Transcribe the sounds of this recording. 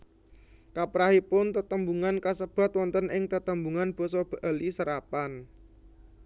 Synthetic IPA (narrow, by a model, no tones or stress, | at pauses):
kapɾahipʊnt̪ət̪əmbuŋankasəb̥a̤t̪wɔnt̪ənɪŋt̪ət̪əmbuŋanb̥ɔ̤sɔb̥a̤ʔalisəɾapan